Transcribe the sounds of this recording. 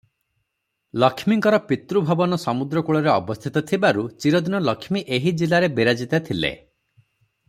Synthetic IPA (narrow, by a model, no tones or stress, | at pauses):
lɔkʰmiŋkɔɾɔpit̪ɾubʱɔbɔnɔsɔmud̪ɾɔkuɭɔɾeɔbɔst̪ʰit̪ɔt̪ʰibaɾut͡ʃiɾɔd̪inɔlɔkʰmiʔeɦid͡ʒilaɾebiɾad͡ʒit̪at̪ʰilḛ